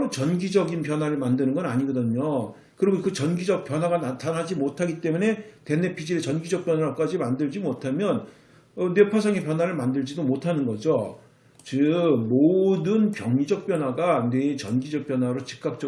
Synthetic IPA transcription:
ɾot͡ɕʌnɡid͡ʑʌɡinpjʌnɦwaɾɯɭmandɯnɯnɡʌnaɲiɡʌdɯɲo | kɯɾiɡokɯt͡ɕʌnɡid͡ʑʌk̚p͈jʌnwaɡanatʰanɦad͡ʑimotʰaɡit͈e̞mune̞te̞ne̞pʰid͡ʑiɾet͡ɕʌnɡid͡ʑʌk̚p͈jʌnwak͈ad͡ʑimandɯɭd͡ʑimotʰamjʌn | ʌne̞pʰasʰaŋepjʌnɦwaɾɯɭmandɯɭd͡ʑidomotʰanɯnɡʌd͡ʑo | t͡ɕɯmodɯnpjʌŋɲid͡ʑʌk̚p͈jʌnwaɡane̞t͡ɕʌnɡid͡ʑʌk̚p͈jʌnwaɾot͡ɕi̥k͈ak̚t͡ɕ͈ʌ

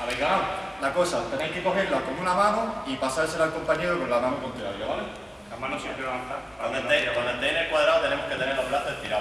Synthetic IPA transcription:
aβeka | nakosat̪enejhkeko̞ɦeɾlako̞ŋunamãnoipasaɾselalko̞mpaɲeɾokonlamãnokont̪eɾaɾjaβale | amanosit̪eanθakand̪end̪ejɾekond̪end̪ejnekwaðɾaot̪e̞nemohke̞t̪eneɾloplaθoðet̪iɾa

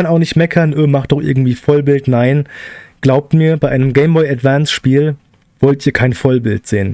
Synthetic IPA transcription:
anaʊxnɪçtmɛkʰɐnʔøːmaχt̚d̥ɔχʔɪ̰ɐɡŋ̩tv̥iːfɔlbɪltnaɪnɡ̥laʊp̚tmiːɐbaɪʔaɪnəmɡɛɪmbɔʏatv̥ansʃpiːl | v̥ɔltʔiːɐkʰaɪnfɔlbɪltz̥eːən

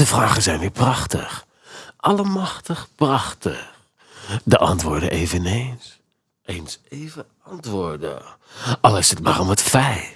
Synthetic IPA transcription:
dəvraːχəzɛjniːɹprɑχtə̰χ | ʔɑləmɑχtəχprɑχtə̰χ | dəʔɑ̰ntʋʊːɹdə̰ʔejvənejns | ejnsejvə | ɑntʋʊːɹdə̰ɑlˠɪsətma̰ːrɔmətfɛj

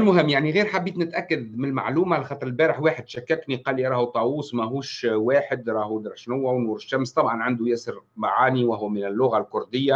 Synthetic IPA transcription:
lmʊɦɪmːjaʕniɣiːɾħabːiːt̪nɪt̪ʔækːad̪mɪnlma̰ʕluːmalxɑːt̪ːˤɾɪlbæːɾəħwaːħəd̪ʃækːækniqɑːliɾˤɑːhut̪ˤɑwuːsmæɦuːʃwaːħɪd̪ɾˤɑːhud̪ɑɾˤʃnʊwːæwnuːɾɪʃːæmst̪ˤɑbʕɑnʕand̪ujæːsəɾmaʕaːniwaɦʊwmɪnɪlːʊɣalkʊɾd̪ɪjːa

